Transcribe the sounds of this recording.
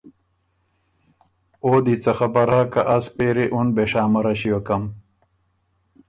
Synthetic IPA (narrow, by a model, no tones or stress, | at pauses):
oːd̪it͡sɐxɐpɐɾɦakɐʔɐspeːɾeʔunbeʂaːmɐɾɐɕiwɐkɐm